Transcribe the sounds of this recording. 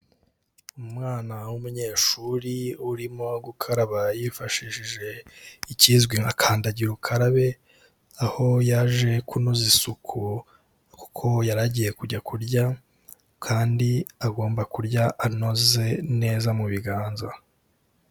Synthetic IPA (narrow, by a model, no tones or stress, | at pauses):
umŋaːnawumuɲe̞ːʃuɾiuɾimo̞ɡukʰaɾaβajifaʃiʃiʒe̞iciːzɡwiakʰaːndaɟiɾukʰaɾaβe̞ | aho̞jaʒe̞kʰunozisukʰu | ku̥kʰo̞jaɾaɟije̞kuɟakʰuɾɟa | kʰaːndiaɡo̞ːmbakuɾɟaʔano̞ze̞ne̞ːzamuβiɡaːnza